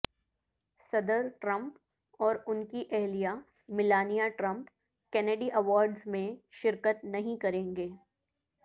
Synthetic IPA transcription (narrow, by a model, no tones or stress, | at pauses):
sɐd̪əɾʈɾɐ̃mp | ɔːɾʊnkiʔɛɦlija | mɪlaːnijaʈɾɐ̃mp | kɛːneɖiʔɐʋɔːɾɖzmẽʃɪɾkət̪nɐɦĩkɐɾẽːŋɡeː